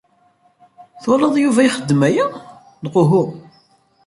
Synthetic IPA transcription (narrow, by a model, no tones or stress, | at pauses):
θoləðˤjuvæiχəd̪ːmæjæ | lʁʊɦʊ